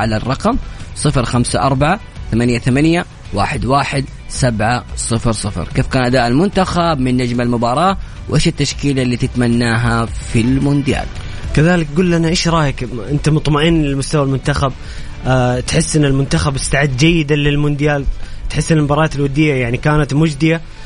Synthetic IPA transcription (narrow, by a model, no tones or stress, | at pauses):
ʕalarˤːɑqɑmsˤɨfɾxamsaʔɑɾˤbaʕa | θamanjaθamanja | wa̰ːħɪd̪waːħɪd̪ | sabʕasˤɨfɾsˤɨfɾkeːfkaːnʔad̪aːʔɪlmʊnt̪axabmɪnːad͡ʒmalmʊbɑːɾˤɑː | wʔeːʃɪt̪ːaʃkiːlalːiːt̪ɪt̪manːaːɦafilmʊnd̪ɪja̰ːl | kaðaːlɪkɡuːlːanaʔeːʃɾˤɑːjakʔɪnt̪amʊt̪ˤmaʔɪnːlɪlmʊst̪awalmʊnt̪axab | t̪ħɪsːɪnːɪlmʊnt̪axabɪst̪aʕɪd̪ːd͡ʒajːɪd̪alɪlmʊnd̪jaːlt̪ħɪsːɪlmbɑɾˤɑːt̪ɪlwad̪ːɪjːajaʕnikaːnat̪mʊd͡ʒd̪ɪja